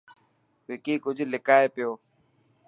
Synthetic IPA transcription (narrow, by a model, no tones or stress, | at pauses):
ʋɪkiːkʊd͡ʒʱlɪkaːeːpɪjoː